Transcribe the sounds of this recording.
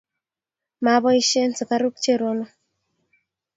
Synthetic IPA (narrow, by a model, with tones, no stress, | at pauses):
ma˨˦βɔ˦i˦ʃe˦nsɔ˨ka˦ɾu˦k̚t͡ʃe˦˨ɾo˦no˦